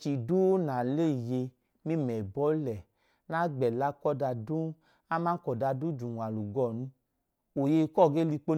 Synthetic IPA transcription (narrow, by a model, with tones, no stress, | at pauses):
t͡ʃi˨du˦na˨le˦˨je˧ | mi˦mɛ˨bɔ˨˦lɛ˨ | na˦ɡ͡bɛ˨la˦kɔ˦da˧du˦ | a˦mã˦kɔ˨da˧du˦d͡ʒu˨ŋʷ˨a˨lu˨ɡɔ˦˨nu˧ | o˨je˧kɔ˦˨ɡe˦li˧k͡po˦